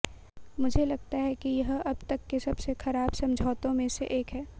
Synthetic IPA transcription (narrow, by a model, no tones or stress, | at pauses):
mʊd͡ʒʱelɐɡt̪aɦɛkijɐɦɐb̚t̪ɐkːesɐbsexɐɾaːbsɐ̃md͡ʒʱaːt̪õmẽsḛʔeːkɦɛː